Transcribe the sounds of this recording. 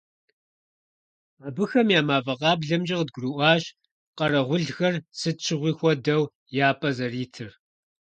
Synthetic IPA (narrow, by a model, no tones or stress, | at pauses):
aːbɨxɐmjaːmaːvɐʁɑːbɮɐmd͡ʒɪʁd̚ɡʷruʔʷɑːɕ | qɐrɐʁʷʊɮxɐrsɨt͡ʃʰɪʁʷiːxʷɔdɐw | jaːpʼɐzɐriːtʰɨr